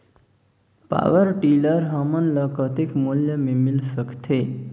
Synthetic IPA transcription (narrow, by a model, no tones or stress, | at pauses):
pa̰ʋəɾʈiːləɾɦəmənləkət̪ikmuljəmimilfəkt̪ʰe